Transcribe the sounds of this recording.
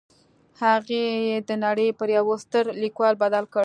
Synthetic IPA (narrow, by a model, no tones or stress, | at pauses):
haɣejed̪ənaɽəjpəɾjawost̪əɾlikwɑlbad̪alkəɽ